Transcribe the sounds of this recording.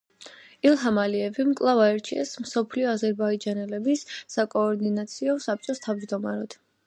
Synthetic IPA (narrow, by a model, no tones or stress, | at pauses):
ilˠɦamaliɛvimkʼlˠavaɛɾt͡ʃʰiɛsmsɔpʰliɔazɛɾbaid͡ʒanɛlɛbisːakʼɔːɾd̪inat̪sʰiɔsap̚t͡ʃʼɔst̪ʰavd͡ʒd̪ɔmaɾɔd̪̥